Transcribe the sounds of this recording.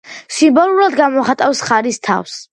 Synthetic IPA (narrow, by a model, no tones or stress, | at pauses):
simbɔlˠulad̪ɡamɔχat̪ʼafsχaɾist̪ʰa̰fs